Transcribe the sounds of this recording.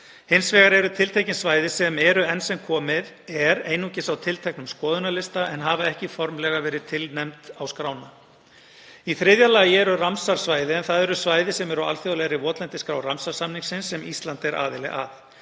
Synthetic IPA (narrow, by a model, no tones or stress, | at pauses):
hɪnsvɛːɣaɾɛɾʏt̪ʰɪlt̪ʰejcɪnsvaːjðɪsɛmɛɾʏɛnsɛmkʰɔːmɪð | ɛɾeːjnucɪsawt̪ʰɪlt̪ʰɛhknʏmskɔːðʏnalɪst̪aʔɛnɦaːvaɛhcɪfɔɾmlɛɣavɛːɾɪðt̪ʰɪlnɛmt̪awskɾaːwna | iθɾɪðjalaːjɪɛɾʏramsaɾ̥svaːjðɪɛnθaðɛɾʏsvaːjðɪsɛmɛɾawa̰lθjɔwlɛɾɪvɔːt̪lɛnt̪ɪskɾaːwramsaɾ̥samniŋsɪnsːɛmist̪lant̪ɛɾʔa̰ːðɪlɛ̰ɣa̰θ